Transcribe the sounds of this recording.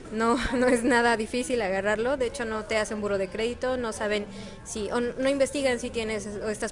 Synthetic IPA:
no̞no̞e̞znað̞aðifisilaɣaraɾlo̞ðe̞et͡ʃo̞no̞t̪e̞aseumbuɾo̞ð̞e̞kɾe̞ðit̪o̞no̞saβ̞e̞n | siʔono̞imbe̞st̪iɣansit̪jene̞soest̪as

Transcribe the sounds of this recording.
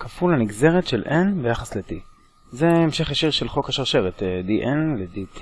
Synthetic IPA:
kafulaniɡze̞ʁetʃelʔenbejaχasleti | zeemʃe̞χjaʃiʁʃelχo̞kaʃaʁʃeʁet̪diʔenledit

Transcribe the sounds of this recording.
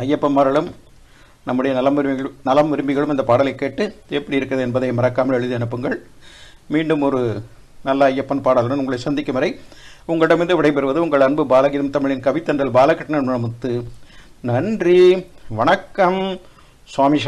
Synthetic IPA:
ɐjːɐpːɐnmɐɾɐɭɯm | nɐmːɯɽɐjɐnɐlɐmɾnɐlɐmʋɪɾɯmbɪɣɐɭɯmɪnd̪ɐpaːɽɐlɐɪkːeːʈːɯɛpːɐɽijɪɾɯkːɪɾɐðɛnbɐðɐɪmɐɾɐkːaːmɐlɛɻɯðiɐɳɯpːɯŋɡɐɭ | miːɳɖɯmɔɾɯ | nɐlːɐɐjːɐpːɐnpaːɽɐlɽɐnʊŋɡɐɭɐɪsɐnd̪ɪkːɐmɐɾɐɪʊŋɡɐɭɪɽɐmɪɾnd̪ɯʋɪɽɐɪpɛɾɯʋɐðɯʊŋɡɐɭɐnbɯbaːlɐɣɪðɐmt̪ɐmɪɭɪnkɐʋɪt̪ːɐnɾɐlbaːlɐkːɐʈːɐnɐnmɐɭɐmʊt̪ːɯnɐɳdriʋɐɳɐkːɐm | sʋaːmiʂaː

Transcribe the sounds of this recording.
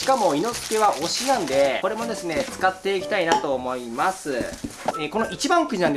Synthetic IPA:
ɕi̥kamo̞ino̞t͡sɨ̥ke̞βaʔo̞ɕinãnd̪e̞ko̞ɾe̞mo̞d̪e̞sɨne̞t͡sɨ̥kat̪ːe̞ikʲi̥t̪ainat̪o̞ːmo̞imasɨeko̞no̞ʔit͡ɕibãŋkɯ̟d͡ʑinãnd̪

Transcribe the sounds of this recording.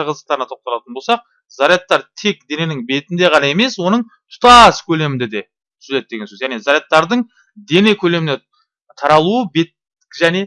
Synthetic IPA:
qəzəqt̪ɑɾənɑt̪ʰo̞q̚t̪ɑlˠɑt̪ənbo̞lsɑq̚ | zaɾjet̪ːɑɾt̪ʰe̞k̚d̪e̞ne̞nɪŋbe̞t̪ɪnd̪e̞qʰɑnɑe̞me̞swo̞nəɴ | t̪ʰʊ̥t̪ɑskʲʰɵle̞mɪnd̪e̞d̪e̞ | t̪ʰʏ̥zled̪e̞ɡʲensøzjæʁne̞zaɾjet̪ːɑɾd̪əɴ | d̪e̞ne̞kʲʰɵle̞mɪne | t̪ʰɑɾɑlˠuəbe̞t̪ | ʒæne̞

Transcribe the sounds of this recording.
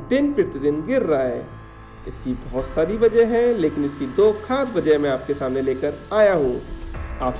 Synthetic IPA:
d̪ɪnpɪɾt̪ɪd̪ɪnɡɪɾːaaɦɛ̰ː | ɪskibɔɦʊt̪saːɾibɐd͡ʒəɦɛ̃leːkɪnɪskid̪oːkʰaːsbɐd͡ʒəmẽaːp̚kesaːmneleːkəɾaːjaɦoːaːp

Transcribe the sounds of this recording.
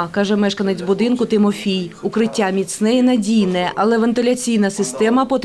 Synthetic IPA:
kɑʒɛmɛʃkɐnet͡sʲbʊd̪ɪnkʊt̪ɪmɔfʲijʊkɾɪtʲːamʲit̪snɛjɛnɐdʲijnɛʔɐlˠɛʋɐnt̪ɪlʲɐt͡sʲijnɐsɪst̪ɛmɐpɔt̪

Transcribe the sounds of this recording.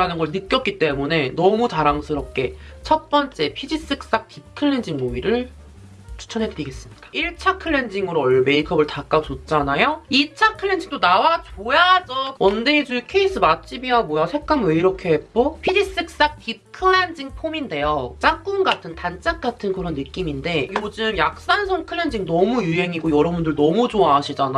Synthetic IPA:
ɾanɯnɡʌɭnɯk͈jʌt̚k͈it͈e̞mune̞nʌmut͡ɕaɾaŋsʰɯɾʌp̚k͈e̞t͡ɕʰʌt̚p͈ʌnt͡ɕ͈e̞pʰid͡ʑis͈ɯk̚s͈ak̚tʰip̚kʰɯɭːe̞nd͡ʑiŋmoiɾɯɭ | t͡ɕʰu̥t͡ɕʰʌnɦe̞dɯɾiɡe̞s͈ɯmɲidḁiɭt͡ɕʰakʰɯɭːe̞nd͡ʑiŋɯɾoʌɭme̞ikʰʌbɯɭtak͈at͡ɕot͡ɕ͈anajoit͡ɕʰakʰɯɭːe̞nd͡ʑiŋtdonawat͡ɕojad͡ʑʌk̚ʌndeːd͡ʑukʰeis͈ʰɯmat͡ɕ͈ʰibiamojasʰe̞p̚k͈amweiɾʌkʰe̞ɦek͈opʰiɾis͈ɯk̚s͈ak̚tʰip̚kʰɯɭːend͡ʑiŋpʰominde̞jot͡ɕ͈ak͈unɡatʰɯntant͡ɕ͈ʰak̚k͈atʰɯnkɯɾʌnːɯk͈iminde̞jod͡ʑɯmjak̚s͈ansʰʌŋkʰɯɭːe̞nd͡ʑiŋnʌmujuɦe̞ŋiɡojʌɾʌbundɯɭnʌmud͡ʑoaɦaɕʰid͡ʑana

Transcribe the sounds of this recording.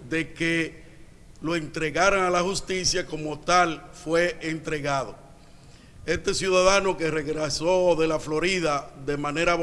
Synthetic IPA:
d̪e̞ke | lo̞ent̪ɾe̞ɣaɾaŋalahust̪isjako̞mo̞t̪alfwe̞ʔent̪ɾe̞ɣaðo | e̞st̪e̞sjuðaðano̞ke̞reɣɾeso̞ðelaflo̞ɾiðaðe̞mãne̞ɾa

